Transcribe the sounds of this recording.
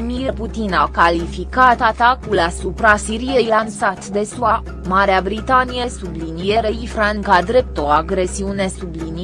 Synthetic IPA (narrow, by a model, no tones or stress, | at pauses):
mirput̪inakalifikat̪at̪akulasupɾasiɾije̞jlansat̪d̪e̞sua | maɾeabɾit̪anije̞sublinijeɾeifɾaŋkad̪ɾe̞p̚t̪o̞aɡɾe̞siune̞sublin